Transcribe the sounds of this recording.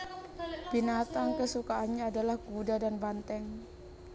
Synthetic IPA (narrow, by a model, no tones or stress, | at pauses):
b̥inat̪aŋkəsukaːnɲaːdalahɡudadanbant̪ɛŋ